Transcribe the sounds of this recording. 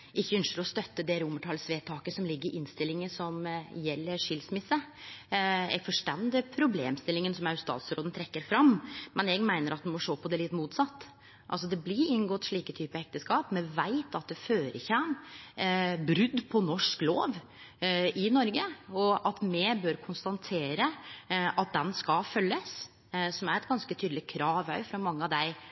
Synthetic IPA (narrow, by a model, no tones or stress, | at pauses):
ɪçːəœnskəɾɔst̪œt̪ːəd̪ɛɾʊməʈʰɑlsʋeːt̪ʰɑːkəsɔmlɪɡːəɾʔɪnst̪ɪlːɪŋəsɔmjɛlːəɾʂɪlsmɪsːə | ɛ̰ɡfɔʂʈɛnd̪ɪpʰɾʊbleːmst̪ɪlːɪŋənsɔmɑʉst̪ɑ̰ːt̪sɾoːd̪n̩t̪ʰɾɛkːəɾfɾɑmmɛnɛɡmæɪnəɾɑt̪̚d̪ɛnmɔʂoːpʰɔd̪ɛlɪt̪ːmuːt̪sɑt̪ː | ʔɑ̰lsɔd̪ɛblɪɾɪnɡɔt̪ːʂɭiːkət̪ʰyːpəɛk̚t̪əskɑːpmɛʋæɪt̪ʰɑt̪̚d̪ɛføːɾəçɛm | bɾʏd̪pʰɔnɔʂklo̰ːʋ | ɪnɔɾɡəɔʔɑt̪mɛbøɾkʰʊnst̪ɑnt̪ʰeːɾəʔɑt̪̚d̪ɛnskɑfœlːəs | sɔmæɾɛt̪ɡɑnskət̪ʰyːd̪lɪkʰɾɑːʋœ̰ʏfɾɑmɑŋːəɑʋd̪æɪ